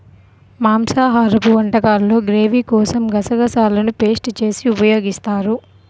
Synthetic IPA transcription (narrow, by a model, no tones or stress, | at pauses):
maːmsaːɦaːɾɐpuʋɐɳʈɐkaːlːo̞ːɡɾe̞ːʋikɔːsɐmɡɐsɐɡɐsaːlɐnupe̞ːsʈt͡ʃe̞ːsiupɐjo̞ːɡist̪aːɾu